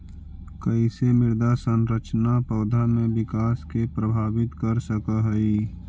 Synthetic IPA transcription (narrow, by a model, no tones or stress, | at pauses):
kəisemɪɾd̪asə̃nɾət͡ʃnapəʊd̪ʱamẽbɪkaːskepɾəbʱaːʋɪt̪kəɾsəkaɦəi